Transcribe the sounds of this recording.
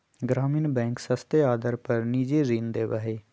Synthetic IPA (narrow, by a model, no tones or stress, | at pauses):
ɡɾaːmiːnbɛ̃ːŋksəst̪eaːd̪əɾpəɾniːd͡ʒeːɾiːnd̪eːʋəɦeː